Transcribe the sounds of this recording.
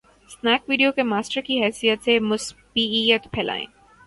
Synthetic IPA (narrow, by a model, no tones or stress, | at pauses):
snɛːkʋiːɖijokemaːsʈəɾkiɦɛːsijət̪semʊsbiijət̪pʰɛːla̰ːḛ̃ː